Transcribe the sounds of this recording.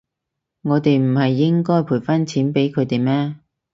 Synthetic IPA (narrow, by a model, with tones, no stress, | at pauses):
ŋɔː˨˧t̪e˨jm̩˨˩hɐ˨jːɪ˥ŋkɔː˥jpʰuː˨˩jfɐ˥nt͡sʰiː˨˥npe˨˥jkʰɵ˨˧ɥt̪e˨˩jmɛː˥